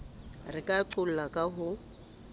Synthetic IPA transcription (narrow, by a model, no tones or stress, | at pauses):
rɪkʼaǃʊl̩lakʼaɦʊ